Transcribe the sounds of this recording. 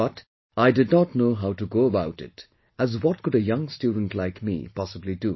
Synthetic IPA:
bʌt | ʔaɪdɨdⁿnətnoʊɦaʊtuɡoʊəbaʊtɪ̰t | æzwɔt̚kʊɾɨjʌ̃ŋstjudⁿn̩tlaɪkmḭpʰɑsəblidu

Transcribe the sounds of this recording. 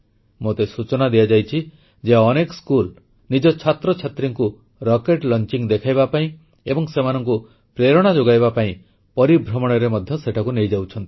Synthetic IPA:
mot̪esut͡ʃɔnad̪ijad͡ʒajt͡ʃʰi | d͡ʒeɔnekɔskul | nid͡ʒɔt͡ʃʰat̪ɾɔt͡ʃʰat̪ɾiŋku | ɾɔkeʈlɔnt͡ʃiŋd̪ekʰajbapaĩ | ebɔŋsemanɔŋku | pɾeɾɔɽ̃ad͡ʒoɡajbapaĩ | pɔɾibʱɾɔmɔɽ̃ɔɾemɔd̪ʱjɔseʈʰakunejd͡ʒawt͡ʃʰɔnt̪i̥

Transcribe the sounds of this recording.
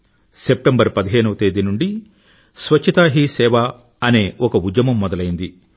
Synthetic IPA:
se̞p̚ʈembɐɾpɐd̪iɦe̞ːnuʋɐt̪e̞ːd̪inuɳɖi | sʋɐt͡ʃt͡ʃʰːɐt̪aːɦisɛːʋa | ɐne̞ːʔɔkɐud͡ʒjɐmɐmːɔd̪ɐlɐjind̪i

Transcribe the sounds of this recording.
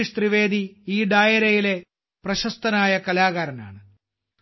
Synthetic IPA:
iʂt̪riʋeːd̪iiːɖaːjɐɾɐjile̞ | prɐɕɐst̪ɐnaːjɐkɐlaːɣaːɾɐna̰ːɳɨ

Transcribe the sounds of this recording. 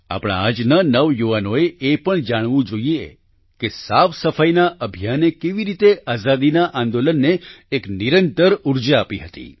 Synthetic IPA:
a̰pɽ̃a̰ad͡ʒnanəʋjuʋanoeepəɳd͡ʒaɽ̃ʋũd͡ʒoie | kesaʋsəfajnaʔəbʱijanekeʋiɾit̪eʔazad̪inaʔãnd̪olənːeːkniɾənt̪əɾuɾd͡ʒaapiɦət̪ḭ

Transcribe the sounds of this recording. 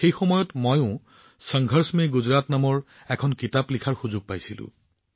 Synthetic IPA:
xejxɔmɔjɔtmojʊ̃ | səŋɡʱəɹsmejɡuzɹatnamɔɹ | ɛkʰɔnkitaplikʰaɹxuzʊɡ̚pajsilʊ̰̃

